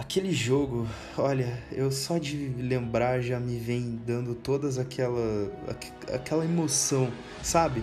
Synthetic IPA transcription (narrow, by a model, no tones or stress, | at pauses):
akelɪʒoɡʊ | ɔʎɐewsɔd͡ʒɪlẽmbɾaʒamɪvẽj̃d̪ɐ̃nd̪ʊt̪od̪ɐzakʰɛlɐa̰k | a̰kɛlɐemosɐ̃w̃ | sabɪ